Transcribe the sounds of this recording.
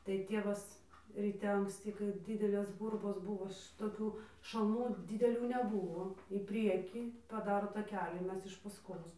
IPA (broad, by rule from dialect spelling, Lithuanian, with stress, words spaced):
tɐɪ ˈtʲiɛʋɐs rʲiːˈtʲɛ ɐŋksʲˈtʲiː kɐɪ ˈdʲɪdʲɛlʲeːs ˈɡʊrboːs ˈbʊʋoː ʃʲɪtoːˈkʲuː ʃɐlˠˈnuː dʲɪdʲɛˈlʲuː nʲɛˈbʊʋoː iː ˈpʲrʲiɛkʲiː pɐˈdɑːroː tɐˈkʲæːlʲiː ˈmʲɛs ɪʃ ˈpɑːskoːs